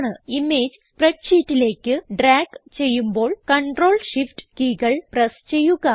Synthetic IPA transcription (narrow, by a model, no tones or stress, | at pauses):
ɳɨimeːd͡ʑspreʈʂiːtːile̞ːkːɨɖɾaːɡt͡ɕe̞jːumbo̞ːɭkɐɳɖro̞ːɭʂifʈkiːɣɐɭprɐst͡ɕe̞jːuɣɐ